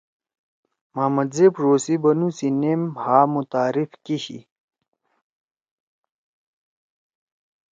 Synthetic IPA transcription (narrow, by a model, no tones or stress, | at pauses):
maːmɐd̪zeːpɾoːsibɐnusinemhaːmut̪aːɾifkiɕḭ